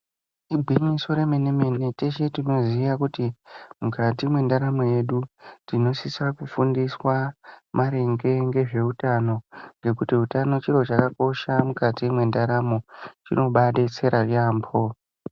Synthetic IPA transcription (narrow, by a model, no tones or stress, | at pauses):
ibʱiɲiso̞ɾe̞meneme̞ne̞teʃe̞tino̞ziʋakutimukatimwe̞ndaɾamoje̞ɗutino̞sisakufundiswamaɾeŋɡe̞ŋɡe̞ʐe̞utano̞ŋɡe̞kutiutano̞t͡ʃiro̞t͡ʃakako̞ʃamukatimwe̞ndaɾamo̞t͡ʃḭno̞ɓaɗe̞t͡se̞ɾarambo